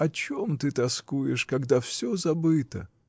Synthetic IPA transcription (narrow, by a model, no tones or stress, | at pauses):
ɐt͡ɕomt̪ɨt̪ɐskujɪʂkɐɡd̪afsʲozɐbɨt̪ə̰